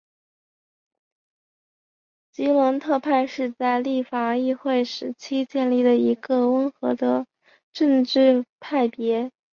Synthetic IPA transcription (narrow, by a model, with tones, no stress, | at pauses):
t͡ɕi˧˥lwə˧˥ŋt̪ʰɤ˥˧pʰa˥˧ɪʂɻ̩˥˧t͡sa˥˧ɪli˥˩fa˨˩i˥˧xwe˥˩ɪʂɻ̩˧˥t͡ɕʰi˥t͡ɕjɛ˥˧nli˥˩d̪ə˩i˧˥ɡə˧wə˥nxɤ˧˥d̪ə˧ | ʈ͡ʂə˥˧ŋʈ͡ʂɻ̩˥˧pʰa˥˩ɪpjɛ˧˥